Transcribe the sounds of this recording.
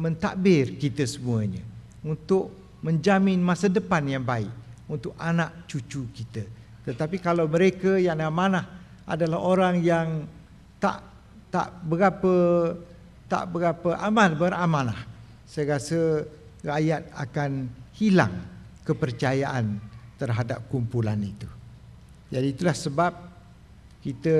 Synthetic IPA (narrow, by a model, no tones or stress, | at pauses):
mə̃nt̪a̰ʔbɪrkit̪əsəmuəɲə̰ | unt̪ʊʔ̚ | mə̃ɲd͡ʒamɪnmãsadəpanjaŋbaɪʔunt̪ʊk̚anaʔt͡ʃut͡ʃukit̪ə | t̪ət̪apikalawməɾekəjaŋlamãnah | ʔa̰dalahoɾaŋjaŋ | t̪a̰ʔ | t̪a̰ʔbəɡapə | t̪a̰ʔbəɡapəʔamãlbəɾamãnah | sajəɾasə | rajat̪̚a̰kanhila̰ŋ | kəpərt͡ʃajaʔant̪ərɦadap̚kumpulanit̪u | d͡ʒadiːt̪ulahsəbap̚ | kit̪ə